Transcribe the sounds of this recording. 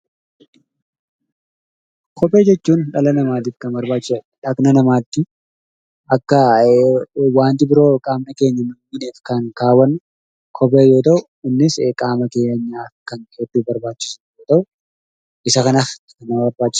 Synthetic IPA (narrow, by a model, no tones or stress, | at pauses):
kʰɔpʼe̞ːd͡ʒɛt͡ʃːuːnᶑɐlɐnɐmaːt̪̬ɪːfkɐnbɐɾbaːt͡ʃːɪsɐ | ᶑɐknɐnɐmaːt̪ːɪ | ɐkːɐ | waːnt̪ɪbɪɾo̞ːkʼaːmnɐke̞ːɲːɐnʊmɪneːfkɐnkaːwɐn | kʰɔpʼeːjoːt̪ɐʔʊ | ɪnːɪsekʼaːmɐke̞ːɲːaːfkɐned̪ːuːbɐɾbaːt͡ʃːɪ̥snjoːt̪ɐʔʊ | ɪsɐkɐnaɪkɐnaːbɐɾbaːt͡ʃːɪ̥